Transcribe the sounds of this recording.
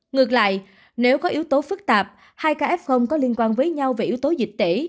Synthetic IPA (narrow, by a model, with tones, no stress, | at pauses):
ŋɨ˨˩ək̚la̰ː˧˨j | ne˨˦wkɔ˨˦ʔi˨˦əwt̪o˨˦fɨ˦˥k̚t̪aː˨˩p̚ | haː˧jkaː˧ʔɛ˦˥p̚xə˧wŋ͡mkɔ˨˦li˧ənkwaː˧nvəː˨˦jɲa˧wve˨˩ʔi˨˦wt̪o˨˦zi˨˩k̟̚t̪e˧˩